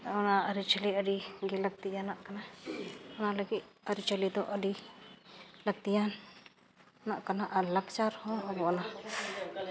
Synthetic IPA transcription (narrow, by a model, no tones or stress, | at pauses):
ɔnaəɾit͡ʃəliəɖiɡɛlaɡ̚t̪ijanaʔkana | ɔnaləɡit̪̚əɾit͡ʃəlid̪ɔʔəɖi | laɡ̚t̪ijan | naʔkanaʔalakt͡ʃaɾhɔ̃ɔbɔɔna